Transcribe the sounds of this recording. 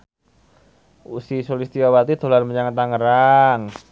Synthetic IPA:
usisolist̪iwawat̪id̪̥o̤lanməɲaŋət̪aŋəɾaŋ

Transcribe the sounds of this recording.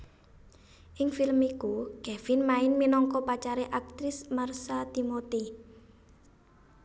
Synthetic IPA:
ʔɪŋfɪləmikuɡ̥ɛfɪnmaɪnminɔŋkɔpat͡ʃaɾeʔak̚t̪ɾɪsmarsat̪imot̪i

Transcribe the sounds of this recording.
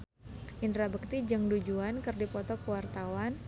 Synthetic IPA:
ʔindɾabək̚t̪id͡ʒəŋdud͡ʒuankɨrdipɔt̪ɔkəwart̪awan

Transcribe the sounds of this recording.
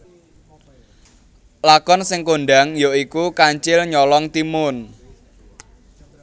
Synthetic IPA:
lakɔnsɪŋkoɳɖaŋjoikukaɲt͡ʃɪlɲɔlɔŋt̪imʊn

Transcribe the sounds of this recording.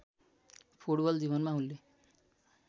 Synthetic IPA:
pʰuʈbʌld͡zibʌnmaɦulːe

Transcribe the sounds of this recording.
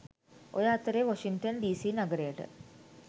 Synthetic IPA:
ojaːt̪ːɐɾeʋɐʂiŋʈɐnɖiːsinɐɡɐɾeːʈɨ̰

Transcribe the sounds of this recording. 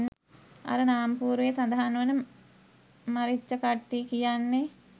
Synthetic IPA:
n | a̰ɾənaːampuːɾʋejesand̪aɦanuʋənə | maɾit͡ʃːəkaʈːiːkijanːe

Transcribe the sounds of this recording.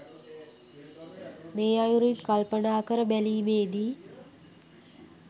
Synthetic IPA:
meːajuɾilkalpənaːkəɾəbæliːmeːd̪iː

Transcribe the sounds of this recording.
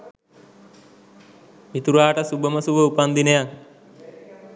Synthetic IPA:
it̪uɾaːʈəsubəməsuʋəupand̪inəjaŋ

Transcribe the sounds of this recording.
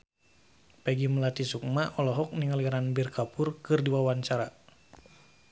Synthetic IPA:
pɛɡiməlat̪isuk̚maʔɔlɔɦɔk̚niŋaliɾanbirkapurkɨrdiwawaɲt͡ʃaɾa

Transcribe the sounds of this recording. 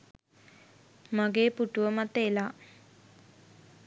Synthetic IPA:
maɡeːpuʈuʋəmat̪ːela

